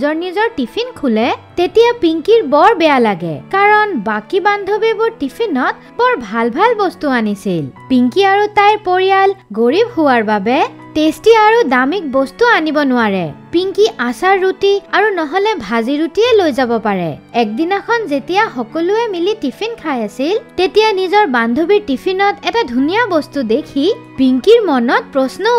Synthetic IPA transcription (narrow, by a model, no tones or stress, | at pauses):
zɔɹnizɔɹtipʰinkʰulɛtetijapiŋkiɹbɔɹbɛjalaɡɛ̰kaɹɔnbakiband̪ʱɔbebʊɹtipʰinɔt̚ | bɔɹbʱalbʱalbɔstuanisilpiŋkiaɹutajɹpoɹijalɡoɹibhʊwaɹbabɛ | testiaɹudamik̚bɔstuanibɔnʊwaɹɛ̰piŋkiʔasaɹːutiaɹunɔɦɔlɛbʱaziɹutiɛlojzabɔpaɹɛ̰ɛk̚dinakʰɔnzetijaxɔkɔlʊɛmilitipʰinkʰajasiltetijanizɔɹbandʱobiɹtipʰinɔtɛtadʱunijabɔstudekʰipiŋkiɹmɔnɔt̚pɹɔsnɔ